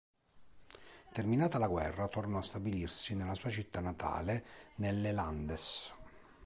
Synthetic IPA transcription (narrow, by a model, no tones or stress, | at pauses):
t̪erminaːt̪alaɡwɛrːat̪ornɔast̪abilirsinelːasuːat͡ʃit̪ːanːat̪ʰa̰ːlenelːeland̪es